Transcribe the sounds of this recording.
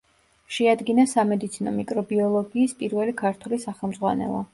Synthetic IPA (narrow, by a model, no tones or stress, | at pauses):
ʃɛad̪ɡinasamɛd̪it̪sʰinɔ̰mikʼɾɔbiɔlˠɔɡiːspʼiɾvɛlikʰaɾt̪ʰulisaχɛlˠmd̪zʁwa̰nɛ̰lˠɔ̰